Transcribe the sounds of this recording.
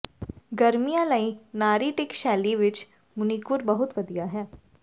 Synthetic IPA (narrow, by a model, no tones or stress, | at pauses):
ɡəɾmijãːnəĩnaːɾiːʈɪkʃɛːliʋɪt͡ʃ | mʊnikʊɾbəɦʊt̪ʋəd̪ijaːɦɛː